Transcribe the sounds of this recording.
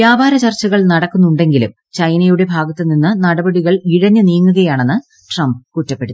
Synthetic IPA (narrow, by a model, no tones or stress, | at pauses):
ʋjaːbʱaːɾɐt͡ɕɐrt͡ɕːɐɣɐɭnɐɽɐkːunːuɳɖe̞ŋɡilṵm | t͡ɕɐjnɐjuɽe̞bʱaːɡɐt̪ːeninːɨnɐɽɐbɐɽiɣɐɭiɻɐɲːɨniːŋːuɣɐjaːɳe̞nːɨ | ʈrɐmbkutːɐpːe̞ɽu